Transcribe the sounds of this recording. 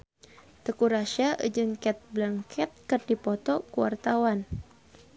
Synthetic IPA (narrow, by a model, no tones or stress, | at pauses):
t̪əkuɾaʃaʔə̰d͡ʒənkɛt̪̚blaŋkʰɛt̪̚kɨrdipɔt̪ɔkuwa̰rt̪awan